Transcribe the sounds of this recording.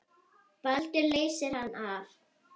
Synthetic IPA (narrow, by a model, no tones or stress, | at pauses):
pœlt̪ɪleːjsɪɾ̥hanːaf